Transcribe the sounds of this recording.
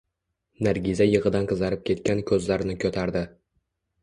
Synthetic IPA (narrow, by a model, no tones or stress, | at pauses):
naɾɡʲizajɨʁɨd̪anqʰɨzaɾɪp̚kʲʰe̞t̪kʲankʲʰɵzlaɾnɪkʰʲɵt̪ʰaɾd̪ɪ